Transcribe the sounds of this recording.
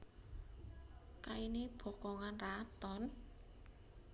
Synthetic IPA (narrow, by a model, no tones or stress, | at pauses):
kaineb̥ɔ̤kɔŋanrat̪ɔn